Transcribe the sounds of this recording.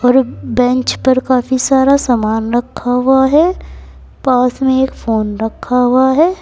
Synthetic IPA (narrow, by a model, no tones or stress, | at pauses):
ɔːɾbɛ̃nt͡ʃpɐɾkaːfisaːɾasaːmaːnɾɐkʰːaɦʊaɦɛ | paːsmẽeːkfoːnɾɐkʰːaɦʊaɦɛː